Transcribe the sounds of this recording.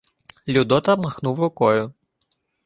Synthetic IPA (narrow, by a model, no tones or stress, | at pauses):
lʲud̪ɔt̪ɐmɐxnuwɾʊkɔjʊ